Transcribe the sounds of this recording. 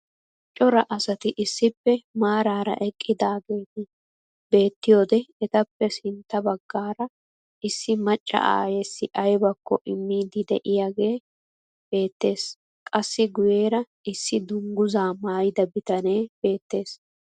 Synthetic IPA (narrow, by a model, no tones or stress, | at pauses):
t͡ʃʼːɔɾɐʔɐsɐt̪ɪʔɪsːɪpːɛmaːɾaːɾɐ̰ʔɛkʼːɪd̪aːɡe̞ːt̪ɪ | be̞ːt̪ːɪjo̞ːd̪ɛɛt̪ɐpːɛsɪnt̪ːɐbɐɡːaːɾɐ | ɪsːɪmɐt͡ʃʼːɐ̰ʔa̰ːjɛsːɪʔɐjbɐkːɔ̰ʔɪmːiːd̪ɪd̪ɛ̰ʔɪjaːɡe̞ː | b̥e̞ːt̪ːe̞ːs | kʼɐsːɪɡʊjeːɾɐ | ɪsːɪd̪ʊŋɡʊzaːmaːjd̪ɐbɪt̪ɐne̞ːb̥e̞ːt̪ːe̞ːs